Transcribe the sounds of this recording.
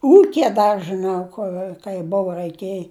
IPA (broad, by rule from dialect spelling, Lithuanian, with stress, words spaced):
ˈuːkʲɪjɛ ˈdɐr ʒɨˈnɐʊ ˈkʊr kɐɪ ˈboːʋɐ rɐɪˈkʲeːj